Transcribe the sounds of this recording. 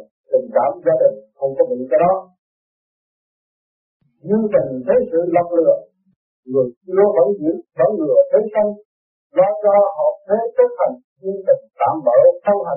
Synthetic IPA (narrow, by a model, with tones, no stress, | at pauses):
t̪ï˨˩ŋ̟ka̰ː˧˥˨mzaː˧ɗï˨˩ŋ̟xə˧wŋ͡mkɔ˨˦ɓḭ˧˨kːjɗɔ˨˦ | ɲɨ˧ənt̪ï˨˩ŋ̟t̪ʰe˨˦jsɨ̰˧˨la˨˩wŋ͡m̚lɨ̰˨˩ə | ŋɨ˨˩ək̚ɗɨ˧əɓə̰ː˧˩˦wzḭ˧˥ənɓa˧˦wlɨ˨˩ət̪ʰe˨˦jsa˧ŋ | laː˧jzɔ˧hɔ̰˧˨t̪ʰe˨˦t͡ɕə˦˥t̚ha˨˩jŋ̟ɲɨ˧ənt̪ï˨˩ŋt̪a̰ː˧˨mɓaː˧˩wt̪ʰə˧wɦa˨˩